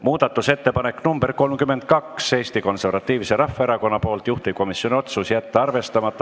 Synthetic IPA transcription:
muːd̪̥ɑt̪ˑːuse̞t̪ːe̞pɑne̞kːnumb̥e̞rko̞lmkyme̞nd̪̚kɑksse̞ːst̪iko̞nse̞rvɑt̪ːiːvise̞ɾɑfːeeɾɑko̞nːɑpo̞ːlt̪juht̪iko̞misjo̞nio̞t̪susjæt̪ːɑɑrve̞st̪ɑmɑt̪ˑːɑ

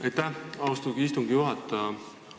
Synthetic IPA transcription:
ɑjt̪ːæhɑwst̪uɡiist̪uŋɡijuɦɑt̪ː

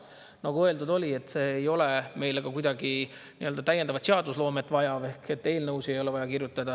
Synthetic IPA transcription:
nɑɡ̥uɤeld̪ud̪o̞lʲie̞t̪ːˑse̞ːjo̞le̞me̞jleɡ̥ɑkujd̪̥ɑɡi | nḭøld̪ɑt̪æjend̪ɑvɑt̪seɑd̪uslo̞ːmet̪ːˑvɑjɑve̞hke̞t̪ːe̞ːlnɤwse̞jo̞le̞vɑjɑkirjut̪ːˑɑd̪ɑ

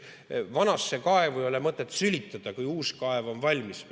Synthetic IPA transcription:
vɑnɑsːe̞kɑe̞vujo̞lemɤt̪ːˑet̪ːˑsylʲit̪ˑːɑd̪̥ɑkujuːskɑe̞vo̞nvɑlʲmis

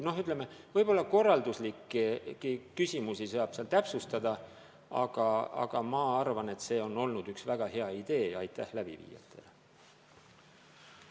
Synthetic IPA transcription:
no̞ɦyt̪le̞mevɤjb̥o̞lːɑko̞rːɑld̪uslikːikːikysʲimusisɤɑb̥seɑlt̪æpsust̪ɑd̪̥ɑ | ɑ̰ɡ̥ɑɑ̰ɡ̥ɑmɑɑrvɑne̞t̪se̞ːo̞nːo̞lnud̪yksvæɡ̥ɑhe̞ɑid̪̥e̞ːɑjt̪ːˑæhlæb̥ḭvḭːjɑ̰t̪ʰːˑe̞̰l

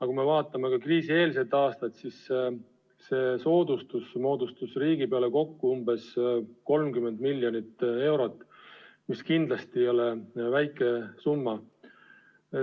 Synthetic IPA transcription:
ɑkume̞vɑːt̪ˑːɑme̞kɑkriːsie̞ːlse̞t̪ːˑɑːst̪ɑt̪sis | se̞so̞ːd̪ust̪usmo̞ːd̪ust̪usriːɡipe̞ɑle̞ko̞kːuumbe̞sko̞lmkymːe̞nd̪milʲjo̞nit̪ːe̞wɾo̞t̪ːˑmiskind̪lɑst̪ijo̞levæjkːˑe̞sumːɑ

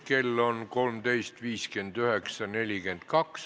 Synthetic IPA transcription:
ke̞lːo̞nko̞lmd̪̥e̞jst̪viːske̞nd̪yhe̞ksɑne̞lʲike̞nd̪̥̚kɑks

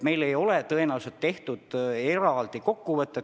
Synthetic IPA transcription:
me̞jle̞jo̞let̪ɤenɑuselt̪ːe̞ht̪ud̪̥e̞ɾɑld̪̥iko̞kːuvɤt̪ˑːe

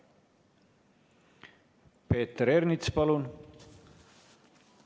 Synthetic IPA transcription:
pe̞ːt̪ːeɾeɾnit̪spɑlun

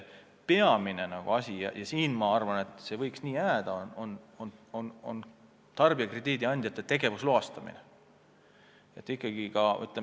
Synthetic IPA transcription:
pe̞ɑminenɑɡ̥ṵɑsʲijɑ̰jʔɑsiːnmɑɑrvɑne̞t̪ˑse̞vɤjksniːjæːd̪̥ɑonononono̰n | t̪ɑrb̥iɑkred̪iːd̪̥iɑnʲd̪̥ʲjɑt̪ːˑet̪ːe̞ɡ̥e̞vusloɑst̪ɑmḭne | et̪ːˑikˑːɑɡ̥ikɑy̰t̪ːˑle

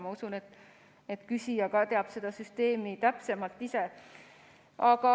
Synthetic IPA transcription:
mɑusunet̪ | et̪kysʲijɑkɑt̪e̞ɑb̥se̞d̪ɑsyst̪e̞ːmit̪æpse̞mɑlt̪ːˑise̞ | ʔɑkɑ

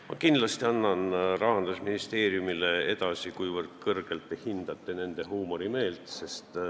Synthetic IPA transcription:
mʔɑ̰kin̥lɑst̪iɑnːɑnrɑɑnd̪̥usminist̪e̞ːɾjumile̞e̞d̪̥ɑsikujvɤrd̪̥kɤrɡ̥e̞lt̪ːˑehind̪̥ɑt̪ˑːe̞ne̞nd̪e̞ɦuːmoɾime̞ːlt̪se̞st̪

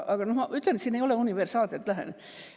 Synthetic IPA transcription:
ɑkɑnohmɑyt̪ːærnet̪siːneijoleuniʋersɑːlt̪et̪læɦæ̰n

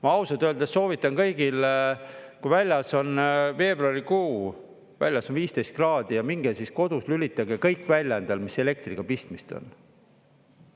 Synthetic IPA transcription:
mɑɑwsɑd̪øld̪̥esso̞ːvit̪ːˑɑnkɤ̞jɡ̥il | kujvælʲjɑso̞nve̞ːbruɑrikuː | væ̰lʲjɑsonviːst̪e̞jst̪krɑːd̪̥ijɑmiŋɡesisko̞d̪̥uslylʲit̪ːˑɑɡekɤjkːˑvælʲjɑend̪ɑlmise̞le̞k̚t̪riɡ̥ɑpist̪mist̪o̞̰n

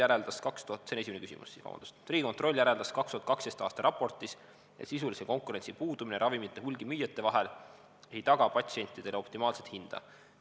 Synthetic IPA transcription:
jæɾe̞ld̪̥ɑskɑkst̪uhɑt̪ːsene̞simenekysḭmṵsːiːskɑ̰w̰̪d̪u̥st̪ɾiːɡikont̪ro̞lʲːjæɾe̞ld̪̥ɑskɑkst̪uhɑt̪kɑkst̪est̪ɑːst̪ɑɾʔɑpˑo̞rt̪ˑis | ḛsisuliseko̞ŋkuɾe̞nʲsipuːd̪̥umineɾʔɑvimit̪ːˑe̞ɦulʲɡ̥imyjɑt̪ːe̞vɑɦel | e̞jt̪ɑɡ̥ɑpɑt̪ʲsie̞nʲt̪ːˑid̪e̞leo̞pt̪imɑːlset̪hind̪̥ɑ̰

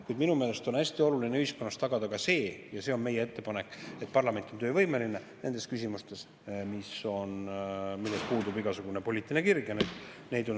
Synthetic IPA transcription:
kujd̪minume̞ːle̞st̪o̞næsʲt̪io̞lulineyhiskonːɑst̪ɑɡ̥ɑd̪̥ɑkɑse̞ːjɑse̞ːo̞nme̞jːee̞t̪ːe̞pɑne̞kːˑe̞t̪̚pɑrlɑme̞nt̪ːˑont̪øːvɤjme̞line̞ | ne̞nd̪e̞skysʲimust̪e̞s | miso̞o̞nmilːe̞spuːd̪ubiɡɑsuɡ̥une̞po̞lʲiːt̪ːˑine̞kirɡjɑned̪̥ | ne̞jd̪o̞n

